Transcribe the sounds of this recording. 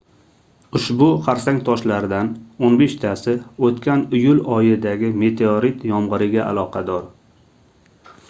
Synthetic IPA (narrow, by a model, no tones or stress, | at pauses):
ʊʃbʊqʰɑɾsaŋt̪ʰɒʃlaɾd̪anonbe̞ʃt̪ʰasɪot̪kʲʰanʊjʊlɒjɪd̪aɡʲɪme̞t̪ʰeoɾit̪jɒmʁɨɾɪɡʲaa̰lˠɒqʰɑd̪ɒɾ